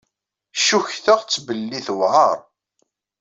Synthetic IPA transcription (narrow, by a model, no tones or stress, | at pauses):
ʃuçθəʁt͡sːbəlːiθwʕɑɾˤ